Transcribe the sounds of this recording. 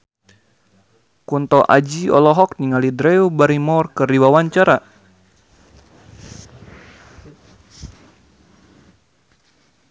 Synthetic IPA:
kunt̪ɔʔad͡ʒiɔ̰lɔɦɔk̚niŋalidɾɛubaɾimɔrkɨrdiwawaɲt͡ʃaɾa

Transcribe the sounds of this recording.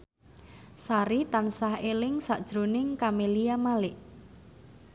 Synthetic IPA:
saɾit̪ansaɦelɪŋsaʔd̥ʒ̥ɾonɪŋkameliamalɪʔ

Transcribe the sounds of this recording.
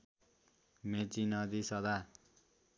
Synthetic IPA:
met͡sinʌd̪isʌd̪a

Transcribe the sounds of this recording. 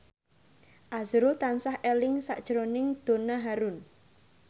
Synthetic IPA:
ʔazɾut̪ansahʔelɪŋsa̰ʔd̥ʒ̥əɾonɪŋd̪̥o̤naɦaɾʊn

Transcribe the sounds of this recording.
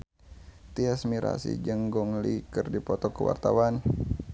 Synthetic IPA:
t̪iasmiɾʔa̰sḭd͡ʒəŋɡɔŋlikərdipɔt̪ɔkəwa̰rt̪awan

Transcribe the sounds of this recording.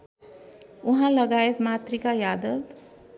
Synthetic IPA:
uɦãlʌɡaet̪mat̪rikajad̪ʌb

